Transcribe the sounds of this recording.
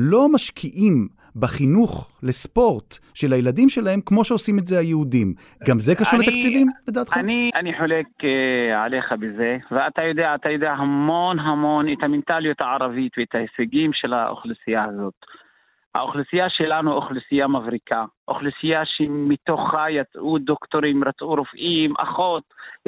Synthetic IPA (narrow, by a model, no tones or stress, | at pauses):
lo̞maʃkʰiʔim | baχinuχle̞spo̞ʁtʃe̞lajeladimʃe̞lahe̞mkmo̞ʃeosimetze̞ajeudim | ɡamze̞kaʃuʁlet̪akt͡sivimled̪aːt̪χaniʔaniħolekeʕa̰le̞χabezeveat̪ajo̞d̪eaat̪ajod̪eaɦamonɦamo̞net̪hament̪aljot̪aʕaɾavit̪veet̪haheseɡimʃelha̰ʔo̰χlisijahazo̞t̪ | ha̰oχlusijaʃelanuʔoχlusijamavɾikaʔo̰χlisijaʃemit̪oχajat͡sʔud̪okt̪oɾimɾat͡sʔuɾofʔimʔa̰χo̞t̪